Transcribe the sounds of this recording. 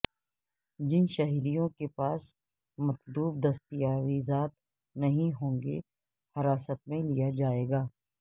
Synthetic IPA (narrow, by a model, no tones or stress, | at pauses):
d͡ʒɪnʃɐɦiɾijõkepaːs | mɐt̪luːb̚d̪ɐst̪ijaːɾizaːt̪̚ | nɐɦĩɦõːŋɡḛ | hɐɾaːsət̪̚mẽlijad͡ʒaːeːɡaː